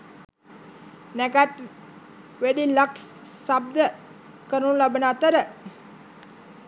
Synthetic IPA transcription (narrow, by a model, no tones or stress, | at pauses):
nɛkat̪ | ʋeɖiləkssab̚d̪ə | kəɾunlabənaːt̪əɾə